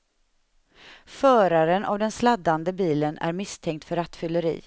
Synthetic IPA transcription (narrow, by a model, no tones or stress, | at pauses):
fœːɾaɾənʔa̰vd̪ɛnslad̪and̪əbiːlənæ̰ɾmɪst̪ʰɛŋkt̪fœɾat̪fʏlːəɾḭː